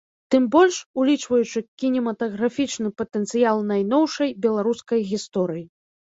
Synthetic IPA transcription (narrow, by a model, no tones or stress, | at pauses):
t̪ɨmbɔlʲʂulʲit͡ʂvɐjut͡ʂɨkʲinʲɛmɐt̪ɐɣɾafʲit͡ʂnɨpɐt̪ɛnt̪sɨjalˠnajn̪ɔwʂɐjbʲɛlˠaɾuskɐjɣʲist̪ɔɾɨji